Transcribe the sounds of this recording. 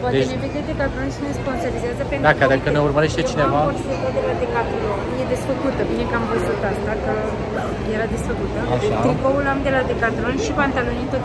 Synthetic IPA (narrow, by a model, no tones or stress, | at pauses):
poad̪eeneved̪ed̪e̞kat̪ɾonʃinespo̞nsoɾizeazəpend̪akkʲjaɾd̪akənejurməɾeʃt̪et͡ʃinevaoset̪od̪elad̪ekat̪ɾonje̞d̪e̞sfəkut̪əbine̞kamvəzut̪ast̪akə | je̞ɾad̪esfəkut̪əaat̪ɾipoulamd̪e̞lad̪ekat̪ɾonʃipant̪alonint̪ot̪